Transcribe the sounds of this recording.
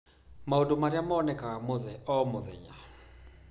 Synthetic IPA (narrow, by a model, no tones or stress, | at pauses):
maodomaɾjamaːnɛkamoðɛɔmoðɛ̰ɲa